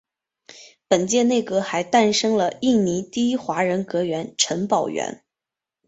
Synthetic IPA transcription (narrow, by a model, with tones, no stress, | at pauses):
pə˨˩nt͡ɕjɛ˥˧ne˥˩ɪkɤ˧˥xa˧˥ɪt̪a˥˧nʂɤ˥ŋlə˨i˥˩ni˧˥t̪i˥xwa˧˥ɻə˧˥nkɤ˧˥ɥɛ˧˥nʈ͡ʂʰə˧˥npɑ˨˩ʊɥɛ̰˧˥n